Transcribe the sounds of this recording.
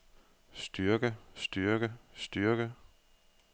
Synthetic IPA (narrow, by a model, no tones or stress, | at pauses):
sd̥yɐɡ̥əsd̥yɐɡ̥əsd̥yɐɡ̥ə